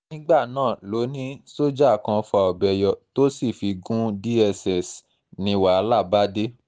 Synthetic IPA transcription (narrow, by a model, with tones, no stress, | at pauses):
nĩ˦ɡ͡ba˦˨nãː˦˨lo˨˦nĩ˦so˦d͡ʒa˦˨kã˧fɔ˧a˨ɔ˨bɛ˨jɔ˨to˦si˦˨fi˨˧ɡũ˦di˦ɛ˧sɛ˨s | nĩ˧wa˨˧˦la˦˨ba˦de˦